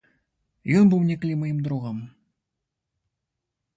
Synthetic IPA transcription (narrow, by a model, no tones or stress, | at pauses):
jonbumnʲeklʲimɤjəmd̪ɾuʁɑm